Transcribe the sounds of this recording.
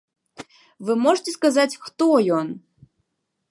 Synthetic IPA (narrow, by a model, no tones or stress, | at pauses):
vɨmɔʐtʲɛskazat͡sʲxt̪ɔjɔn